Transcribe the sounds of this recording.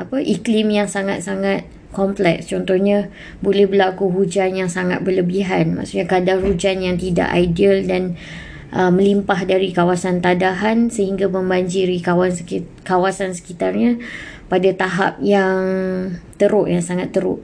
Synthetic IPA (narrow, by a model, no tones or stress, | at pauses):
ʔapəʔiklimjaŋsaŋat̪̚saŋat̪̚ | kɔmplɛ̰kst͡ʃɔnt̪ɔhɲã | bolɛhbəlakuɦud͡ʒanjaŋsaŋa̰t̪̚bərləbiɦanma̰ʔsuʔɲakadarhud͡ʒanjaŋt̪ida̰ʔa̰jdəldan | ʔəmə̃limpaɦdaɾikawasant̪adaɦansəhiŋɡamə̃mbaɲd͡ʒiɾikawankawasansə̥kit̪arɲã | padat̪aɦa̰p̚jaŋt̪əɾʊʔjaŋsaŋat̪ːəɾʊ̰ʔ